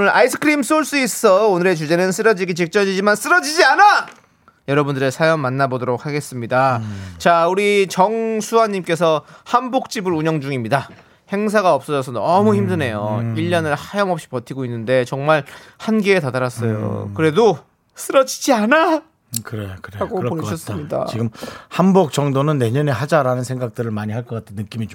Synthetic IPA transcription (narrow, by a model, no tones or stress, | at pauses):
nɯɾʔa̰isʰɯ̥kʰɯɾims͈oɭs͈uis͈ʌ̥s͈ʰʌonɯɾe̞t͡ɕud͡ʑe̞nɯns̬͈ʰɯɾʌd͡ʑiɡit͡ɕik̚t͡ɕ͈ʌd͡ʑid͡ʑimans͈ɯɾʌd͡ʑid͡ʑiana | jʌɾʌbundɯɾe̞sʰajʌmːanːabodoɾok̚haɡe̞s͈ɯmɲidat͡ɕauɾit͡ɕʌŋsʰuɦaɲːimk͈e̞sʰʌhanbok̚t͡ɕ͈ibɯɾuɲʌŋd͡ʑuŋimɲida | he̞ŋs̬ʰaɡaʌp̚s͈ʌd͡ʑʌsʰʌnʌmuçimdɯne̞joiʎːʌnɯɭhajʌmʌp̚ɕ͈i̥pʌtʰiɡoinːɯnde̞t͡ɕʌŋmaɭ | hanɡeːtadaɾas͈ʌjo̰kɯɾe̞do | s͈ʰɯɾʌd͡ʑʰi̥d͡ʑiana | kɯɾekɯɾeaɡopoɕʰʌss͈mɲida̰iɡɯmhanbok̚t͡ɕ͈ʌŋdonɯnːe̞ɲʌne̞ɦad͡ʑaɾanɯnsʰe̞ŋɡak̚t͈ɯɾɯɭmaɲihaɭkʌk͈atʰenːɯk͈imit͡ɕo